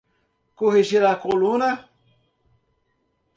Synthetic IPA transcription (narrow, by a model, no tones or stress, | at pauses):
koɦiʒiɾakolũnɐ